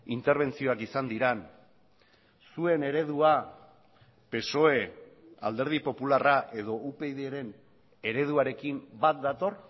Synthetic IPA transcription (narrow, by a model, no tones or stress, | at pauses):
int̪e̞ɾβ̞e̞nt͡sio̞akisand̪iɾan | sue̞ne̞ɾe̞ð̞ua | pe̞so̞e̞a̰ld̪e̞ɾð̞ipo̞pularaʔe̞ð̞o̞upe̞jðeɾe̞n | e̞ɾe̞ð̞uaɾe̞kimbat̪̚d̪at̪o̞r